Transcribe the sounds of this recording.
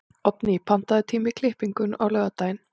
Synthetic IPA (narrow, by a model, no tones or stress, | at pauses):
ɔpnipʰan̥t̪aðɪt̪ʰiːmɪkʰl̥ɪhpiŋkʏnawlœːɣat̪aːjɪn